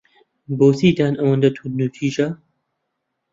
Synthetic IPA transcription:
boːsiːd̪aːnʔɐwɐnd̪ɐt̪ʰunut̪ʰiːʒɐ

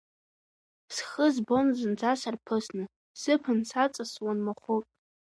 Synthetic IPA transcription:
sχəzbo̞nzɨnd͡zasarpʰɨsnɨ | sɨpʰɨnsat͡sʼaswanmaχʷʊpʼ

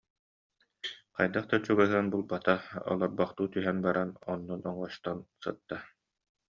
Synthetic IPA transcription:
qajd̪aχt̪at͡ɕuɡaɦɯɐnbulˠbat̪aɔ̰lˠɔɾbaχt̪uːt̪yɦɛnbaɾanɔnːɔnɔŋɔst̪ɔnsɯt̪ːa

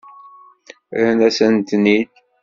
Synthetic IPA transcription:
ɾnæsənt̪nid̪

